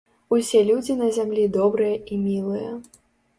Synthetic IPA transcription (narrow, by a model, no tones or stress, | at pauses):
usʲɛlʲud͡zʲinɐzʲamlʲid̪ɔbɾɨjɐimʲilˠɨjɐ